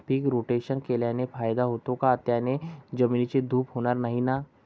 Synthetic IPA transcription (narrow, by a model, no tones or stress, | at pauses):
pʰikɾoːʈeːʃənkelanefʰaːjd̪aɦoːt̪õkaət̪jaːned͡ʒɐmiːnt͡ʃed̪ʱuːpɦoːnaɾnɐɦĩna